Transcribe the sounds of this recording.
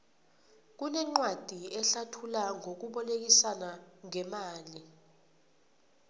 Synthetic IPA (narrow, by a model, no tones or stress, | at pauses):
k̬unɛŋ͡ǃwad̥ʱiɛɬatʰulaŋok̬uɓɔlek̬isanaŋɛmaːli